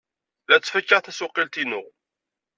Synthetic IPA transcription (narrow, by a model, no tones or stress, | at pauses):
ðæt͡sːfəkːəʁθæsʊqːilt̪inʊʁ